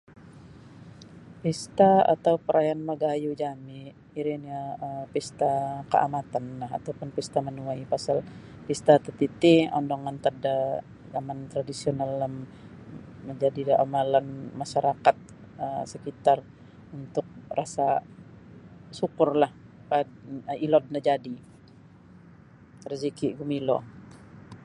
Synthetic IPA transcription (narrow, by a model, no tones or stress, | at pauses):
pist̪aa̰t̪awpəɾajanməɡajud͡ʒamiː | ɾiniaəmpist̪akə̰ʔa̰mat̪anlaɦa̰t̪awpʊnpist̪amənuajpasal | pist̪at̪ət̪it̪iɔ̰ndɔŋant̪ada | zamant̪ɾadisionaləm | məɲd͡ʒadidamalanmaʃaɾakat̪̚ | əmsəkit̪ar | unt̪ʊk̚rasa | sukʊrlah | padilɔd̚nad͡ʒadi | ɾəzikiɡumilɔ